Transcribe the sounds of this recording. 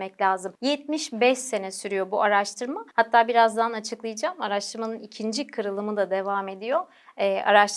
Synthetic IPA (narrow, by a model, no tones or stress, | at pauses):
mɛclʲaːzɯmjɛt̪̚miʃbɛʃse̞nɛsyɾyjo̞buʔaɾaʃt̪ʰɯɾmahat̪ʰːaːbiɾazd̪anat͡ʃʰɯklˠɯjɯd͡ʒaːmaɾaʃt̪ʰɯɾmanɯnicʰind͡ʒikʰɯɾɯlˠɯmɯd̪ad̪e̞vaːme̞d̪ijo̞ | ɛa̰ɾaʃt̪